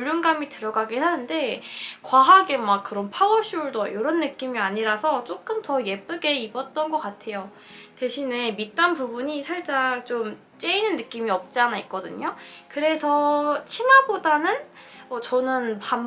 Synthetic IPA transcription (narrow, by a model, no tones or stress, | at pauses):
uʎːunɡamitɯɾʌɡaɡiɦanɯnde̞kwaɦaɡe̞makk͈ɯɾʌnpʰaʌɕʰiuɭdojoɾʌnːɯk͈imiaɲiɾasʰʌt͡ɕ͈ok͈ɯmtʌje̞p͈ɯɡe̞ibʌt̚t͈ʌnɡʌk͈atʰe̞jo | te̞ɕʰine̞mit̚t͈anpubuɲisʰaɭt͡ɕ͈aŋt͡ɕom | t͡ɕ͈e̞inɯnːɯk͈imiʌp̚t͡ɕ͈anaik͈̚ʌdɯ̰ɲokɯɾe̞sʰʌt͡ɕʰinabodanɯn | ʌt͡ɕʌnɯnpam